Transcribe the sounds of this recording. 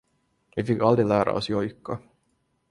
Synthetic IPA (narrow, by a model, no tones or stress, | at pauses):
ʋifɪkːɑld̪ɾɪlæːɾɑ̰ɔsjɔjkːɑ